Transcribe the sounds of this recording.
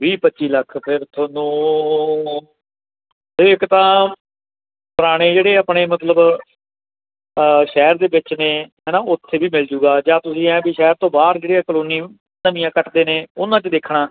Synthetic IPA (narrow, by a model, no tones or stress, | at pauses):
ʋiːpətːt͡ʃiːləkʰpʰɪɾt̪ʰoːnũː | pɪɾɪkt̪ãː | pəɾaːɽ̃eːd͡ʒeːɽeːaːpɳeːmət̪ləb | ʃɛːɾd̪eːʋɪt͡ʃnẽːɦɛːnãːʊt̪ʰːeːbiːmɪld͡ʒuːɡaːd͡ʒãːt̪ʊsĩːɛ̃ːbiːʃɛːɾt̪õːbaːɾd͡ʒeːɽiːaːkəloːniː | nəmĩjãːkəʈd̪eːneːʊnãːt͡ʃəd̪eːkʰɽ̃ãː